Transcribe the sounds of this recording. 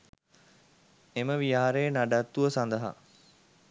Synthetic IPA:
eməʋijaːɾejənaɖat̪ːuʋəsand̪əɦa̰

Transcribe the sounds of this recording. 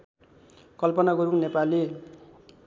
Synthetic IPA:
kʌlpʌnakoɾuŋnepali

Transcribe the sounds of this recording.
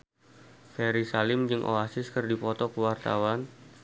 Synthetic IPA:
fɛɾisalɪmd͡ʒɨŋʔo̰asɪskɨrdipɔt̪ɔkəwart̪a̰wan

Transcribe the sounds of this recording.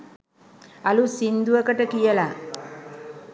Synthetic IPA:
alusind̪uəkəʈəkijəla

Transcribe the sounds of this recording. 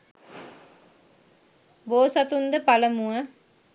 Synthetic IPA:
boːsat̪und̪əpaləmuə

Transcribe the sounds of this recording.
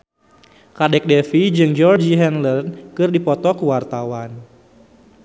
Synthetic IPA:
kadɛk̚dɛfid͡ʒɨŋd͡ʒɔrd͡ʒiɦɛnlərnkɨrdipɔt̪ɔkuwart̪awan

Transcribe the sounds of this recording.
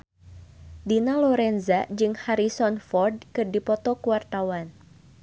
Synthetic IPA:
dinalɔɾɛnzad͡ʒɨŋhaɾisɔnfɔrd̚kɨrdipɔt̪ɔkuwart̪awan

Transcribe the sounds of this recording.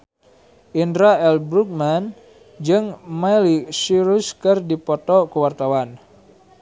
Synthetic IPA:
ʔindɾaɛlbɾuk̚man | d͡ʒɨŋmalisiɾuskɨrdipɔt̪ɔkəwart̪awan

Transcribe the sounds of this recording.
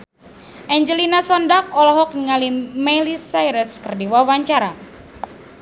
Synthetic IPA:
ʔɛɲd͡ʒəlinasɔndakɔlɔɦɔk̚nəŋalimɛlisajɾəskɨrdiwawaɲt͡ʃaɾa

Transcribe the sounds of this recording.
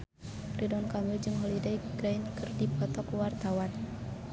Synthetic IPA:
ridɔnkamild͡ʒɨŋɦɔlidaɡɾainkɨrdipʰɔt̪ɔkuwart̪awan

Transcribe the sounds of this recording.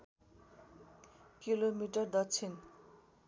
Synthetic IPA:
kilomiʈʌrd̪ʌt͡sʰin

